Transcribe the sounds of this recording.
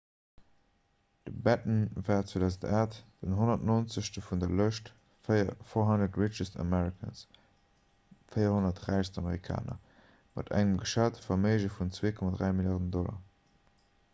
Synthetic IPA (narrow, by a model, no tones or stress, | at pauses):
d̥əbæt̚mnvaːtt͡sweːdaʊzən̩taːtd̥ənɦonɐtnoːnt͡səʃtəfundɐləʃt | fɪɐfoɦɑndətɹɪt͡ʃəstə̰mɛɹikʰə̰ns | fəɪɐhonɐtʁæɪʃstɑməʁikʰa̰ːnɐ̰ | mɑ̰tʰæ̰ŋəmɡəʃatfɐmeɪʒəfunt͡sweːkʰɔmadʁæɪmiljaːʁnəndɔlɐ̰